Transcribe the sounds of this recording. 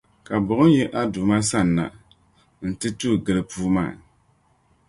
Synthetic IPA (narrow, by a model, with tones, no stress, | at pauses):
ka˨bʊ˨ʔʊ˦n˦jɛ˦ʔa˦du˨ma˦sa˦˨nːa̰˨ | n̩˨tɨ˦tu˦˨ɡɨ˨lɨ˨puː˦ma̰ː˦˨